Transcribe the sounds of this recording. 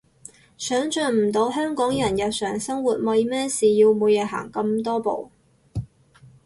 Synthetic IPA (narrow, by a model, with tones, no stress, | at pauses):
sœː˨˥ŋt͡ʃœː˨nm̩˨˩t̪o˨˧wɦœː˥ŋkɔː˨˥ŋjɐ˨˩njɐ˨wsœː˨˩ŋsɐ˥ŋwu˨˩t̚mɐ˨˧jmɛː˥siː˨ji˧wmuː˨˧jɛː˨˧ɦa̰ː˨˩ŋkɐ˧mt̪ɔː˥po̰˨w